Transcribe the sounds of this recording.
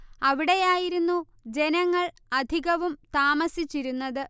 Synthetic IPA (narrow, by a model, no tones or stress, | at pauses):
ɐʋiɽe̞jaːjiɾunːu | d͡ʑe̞nɐŋːɐɭ | ɐd̪ʱiɣɐʋumt̪aːmɐsit͡ɕːiɾunːɐðɨ